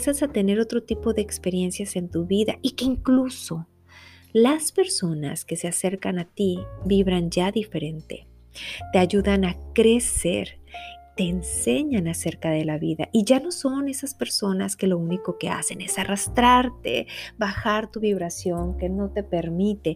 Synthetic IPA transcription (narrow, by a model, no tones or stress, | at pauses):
sasat̪e̞ne̞ɾo̞t̪ɾot̪ipo̞ðe̞ːkspe̞ɾje̞nsjase̞nt̪uβiðaʔike̞iŋkluso̞ | laspe̞ɾso̞na̰ske̞se̞ase̞ɾkanat̪ibiβɾanʝaðife̞ɾe̞nt̪e̞̰ | t̪e̞aʝuðanakɾe̞se̞̰ɾt̪e̞ːnse̞ɲanase̞ɾkaðe̞laβiða̰ʔiʝano̞so̞ne̞saspe̞ɾso̞naske̞lo̞uniko̞ke̞̰a̰se̞ne̞sarast̪ɾaɾt̪e̞̰βaxaɾt̪uβiβɾasjo̞ŋke̞no̞t̪e̞pe̞ɾmit̪e̞